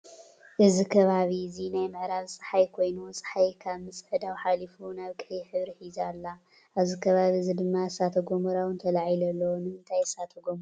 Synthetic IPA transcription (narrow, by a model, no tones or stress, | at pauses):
ʔɨzikʰɐβaβizinajmɨʕɾaβsʼɨ̥ħajkʰo̞jnusʼɨ̥ħajkʰaβmɨsʼʕɨd̪awħalifunaβkʼɨjiħɨβɾiħizalːa | ʔaβzikʰɐβaβizid̪ɨmːasat̪ʰɐɡomuɾawɨnt̪ʰɐlaʕjilɐlːɐwonɨmɨnt̪ʰajsat̪ʰɐɡomɾ